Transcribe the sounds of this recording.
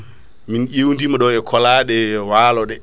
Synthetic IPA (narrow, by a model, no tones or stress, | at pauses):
minʔewndimaɗɔɛkʰɔlaːɗɛwaːlɔɗɛ